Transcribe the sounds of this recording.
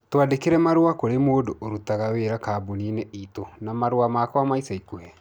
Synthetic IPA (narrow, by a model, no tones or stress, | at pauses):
twadekeɾɛmaɾuwakoɾemoːdoʔoɾutaɣaweːɾakaːboninɛiːtonamaɾwamakɔamaisaikuhɛ